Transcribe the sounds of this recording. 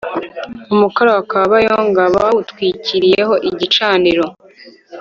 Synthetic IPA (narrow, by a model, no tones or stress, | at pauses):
umukaɾawakaβajoŋɡaβawutkwiːciɾije̞ɦo̞ʔiɟit͡ʃaːndiɾo̞